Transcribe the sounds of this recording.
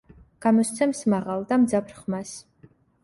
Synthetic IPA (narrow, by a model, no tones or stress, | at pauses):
ɡ̥amɔst̪sʰɛmsmaʁalˠd̪amd̪zapʰɾχmas